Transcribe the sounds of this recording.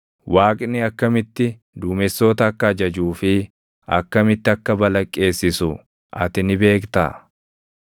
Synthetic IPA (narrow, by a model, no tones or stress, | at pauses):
wʔaːkʼnɪɐkːɐmɪt̪ːɪ | d̪uːmɛsːo̞ːt̪ɐːkːɐɐd͡ʒɐd͡ʒuːfɪ | ɐ̰kːɐmɪt̪ːɪɐkːɐbɐlɐkʼːe̞ːsːɪsʊ | ʔɐ̰t̪ɪnɪbe̞ːkt̪a̰ː